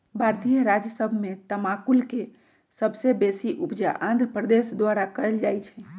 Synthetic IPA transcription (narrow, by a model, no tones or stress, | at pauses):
bʱaɾt̪ijəɾad͡ʒjəsəbʱmet̪əmakulke | səbʱsebesiʔupd͡ʒa̰ʔãnd̪ɾəpɾəd̪esd̪waɾakəjld͡ʒajt͡ʃʰɛ